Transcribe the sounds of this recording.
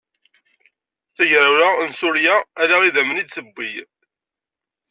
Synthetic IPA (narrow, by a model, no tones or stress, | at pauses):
θæʝɾaɾansʊɾjaːɾaʁiðæmənid̪θəbʷːij